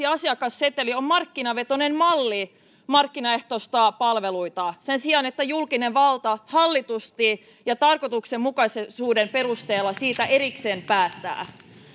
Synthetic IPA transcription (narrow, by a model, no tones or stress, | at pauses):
iɑsiɑkɑsːet̪eliommɑrkːinɑʋe̞t̪o̞ne̞mmɑlːi | mɑrkːinɑe̞ht̪ost̪ɑpɑlʋe̞luit̪ɑsensiɑnet̪ːæjulkine̞ʋʋɑlt̪ɑhɑlːit̪ust̪i | jɑt̪ɑrko̞t̪uksemmukɑsesuːde̞mpe̞rust̪e̞ːlːɑsiːt̪æʔe̞ɾikse̞ːmpæːt̪ːæ̰ː